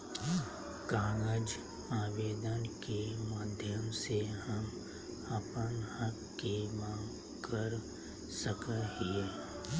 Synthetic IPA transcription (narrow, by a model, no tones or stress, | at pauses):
kaːŋɡəd͡ʒ | aːʋeːd̪ənkemaːd̪ʱjəmsehəm | əpənhəkːemãː | kəɾ | səkəɦie